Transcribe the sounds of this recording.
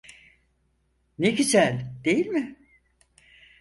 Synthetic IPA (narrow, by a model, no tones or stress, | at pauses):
nekʲit͡ʃælʲd̪̥ejilʲmɪ